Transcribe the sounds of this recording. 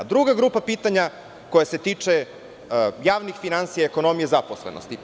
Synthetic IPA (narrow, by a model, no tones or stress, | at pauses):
d̪ɾuɡaɡɾupapiːt̪aɲa | kojase̞t̪iːt͡ʂe | jaːʋnixfinansijaeko̞no̞mijezaposlḛnʔo̰st̪i